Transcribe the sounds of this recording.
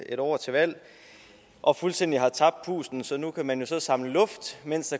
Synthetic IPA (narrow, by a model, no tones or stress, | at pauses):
e̝ɾɒːt͡sʰe̝ʋæl̰ | ʔɒ̽fulsd̥end̥iɦɑ̈t͡sʰɑ̈b̥̚d̥̚pʰṵːsn̩sɒ̽nukʰæmænjo̝sɒ̽sɑ̈mləlɔ̽fd̥men̰sd̥ɑ̈